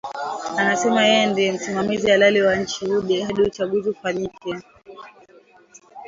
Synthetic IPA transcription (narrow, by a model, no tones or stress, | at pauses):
anasɛmajɛjɛndiɛm̩simamiziwalaliwaɲ̩t͡ʃihuɗɛhaɗiut͡ʃaɠuziufaɲikɛ